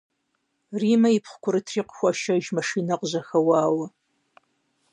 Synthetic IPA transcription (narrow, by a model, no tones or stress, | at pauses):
riːmɐjipχʷkʷʰʊɾɨtʰriːqxʷɔʃɐʒmɐʂiːnɐqʑɐxɐwɑːwɐ